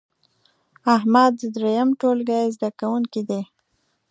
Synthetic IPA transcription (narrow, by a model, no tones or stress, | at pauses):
aɦmad̪̚ːəd̪ɾejamʈolɡajzd̪akawuŋkid̪e